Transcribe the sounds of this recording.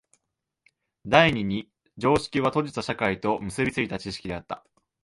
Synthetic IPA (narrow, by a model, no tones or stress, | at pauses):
d̪aiɲ̟iɲ̟i | d͡ʑo̞ːɕi̥kʲiβat̪o̞ʑit̪aɕakait̪o̞mɯ̟sɨbʲit͡sɨɡʲit̪at͡ɕiɕi̥kʲid̪e̞at̪ːa